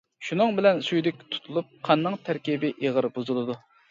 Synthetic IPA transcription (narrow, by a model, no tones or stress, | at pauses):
ʃunɨŋbɪlɛnsujd̪ɪk̚ʲt̪ʰu̥t̪ʰulˠup̚qʰɑnːɨŋt̪ʰæɾkʲibɪʔeʁəɾbuzulˠɨd̪u